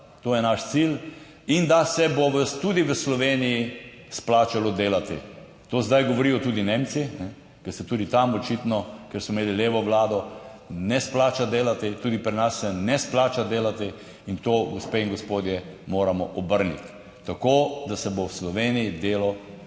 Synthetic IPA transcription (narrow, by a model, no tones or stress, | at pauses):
t̪oːjɛnaʃt̪sil | ind̪asɛboʋət̪uːd̪iʋəslɔʋeːniji | splaːt͡ʃalɔd̪eːlat̪ḭ | t̪oːzd̪ajɡoʋɔɾijɔt̪uːd̪ineːmt͡ssinɛ | kɛst̪ɛt̪uːd̪it̪amɔt͡ʃit̪nɔkɛɾsmɔmeːlileːʋɔʋlaːd̪ɔnɛsplaːt͡ʃad̪eːlat̪it̪uːd̪ipɾinasːɛnɛsplaːt͡ʃad̪eːlat̪i | int̪oːɡospeːiŋɡospoːd̪jɛmoːɾamɔʔɔbəɾnḭt̪ː | akoːd̪asɛbowslɔʋeːnijid̪eːlɔ